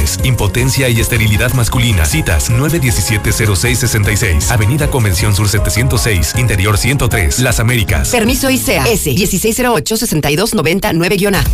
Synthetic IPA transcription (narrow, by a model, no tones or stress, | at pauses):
esimpo̞t̪e̞nsjaiest̪e̞ɾiliðaðmaskulina̰sit̪a̰snweβe̞ðje̞sisje̞t̪ese̞ɾosejsːesent̪ajsḛjsaβe̞niðako̞mbe̞nsjo̞nsuɾset̪esje̞nt̪osejsint̪e̞ɾjo̞ɾsjent̪o̞t̪ɾḛslasame̞ɾika̰spe̞ɾmisoiseaeseðjesisejsːe̞ɾoot͡ʃosese̞nt̪ajðo̞zno̞βe̞nt̪anwe̞βeɣjo̞na